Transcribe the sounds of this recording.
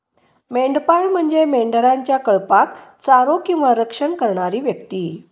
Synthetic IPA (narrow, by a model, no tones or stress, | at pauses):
meɳɖpaɭm̤əɳd͡zemeɳɖəɾaɲt͡ɕjakəɭpakt͡saɾokĩw̃ʋaɾəkʂəɳkəɾɳaɾiːʋjəkt̪iː